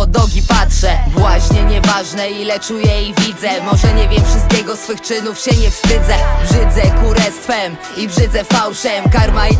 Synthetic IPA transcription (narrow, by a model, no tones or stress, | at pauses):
ɔd̪ɔɡʲipatʂɛvwaɕɲɛɲɛvaʐnɛilɛt͡ʂujɛivʲid̪zɛmɔʐɛɲɛvʲjɛmfʂɘst̪̚kʲɛɡɔsfɘxt͡ʂɘnufɕɛɲɛfst̪ɘd̪zɛbʐɘd̪zɛkuɾɛst̪fɛm | ibʐɘd̪zɛfawʂɛmkaɾmaj